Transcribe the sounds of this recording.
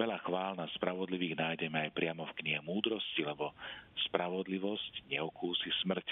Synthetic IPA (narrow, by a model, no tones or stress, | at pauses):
ʋɛʎaxʋaːlnaspɾaʋɔd̪liʋiːɣnaːjɟɛmɛajpɾɪamɔfkɲiɦɛmuːd̪ɾɔscilɛbɔspɾaʋɔd̪liʋɔscɲɛɔkuːsismr̩c